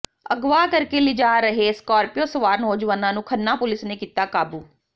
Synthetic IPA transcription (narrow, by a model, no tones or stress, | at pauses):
əɡʋaːkəɾkeːlɪd͡ʒaːɾəɦeːskɔːɾpɪjoːsəʋaːɾnoːd͡ʒʋaːnãːnũːkʰənːaːpʊlɪsneːkiːt̪aːkaːbuː